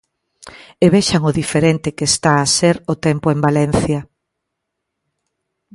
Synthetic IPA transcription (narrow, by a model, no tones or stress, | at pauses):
eβeʃaŋʊðifeɾent̪ɪkeːst̪aːseɾʊt̪empoembalɛn̟θjɐ